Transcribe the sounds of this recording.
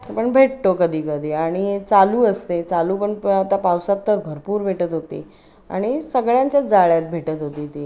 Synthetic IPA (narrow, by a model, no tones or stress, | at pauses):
pəɳbʱeʈ̚t̪okəd̪ʱiːkəd̪ʱiːaɽ̃it͡saluːəst̪et͡saluːpəɳat̪apawsat̪ːəɾbʱəɾpuːɾbʱeʈət̪ɦot̪ḭː | a̰ɽ̃isəɡɭjãɲt͡ɕjad͡zaɭjat̪̚bʱeʈət̪ɦot̪iːt̪iː